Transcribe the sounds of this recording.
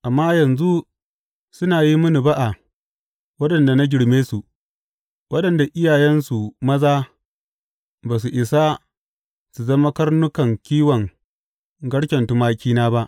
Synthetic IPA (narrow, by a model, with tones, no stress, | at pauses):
ʔa˨mːaː˦jɐ˨nzu˦ | sʊ˦naː˨ji˦mʊ˦ni˨ba˦ʔa˨ | wɐ˦ɗɐ˨nda˨na˦ɡʲɪ˨ɽmeː˦su˨ | wɐ˦ɗɐ˨nda˨ʔɪ˦jaː˨jɛ˦nsu˨mɐ˦zaː˦ | baː˨s̬u˨ʔɪ˨sa˦ | su˨zɐ˦ma˦kɐ˦ɽnʊ˦kɐ˨ŋkʲiː˦wɐ˨ŋ | ɡɐ˦ɽkʲɐ˨ntʊ˦maː˦kʲiː˦naː˦ba˦ʔ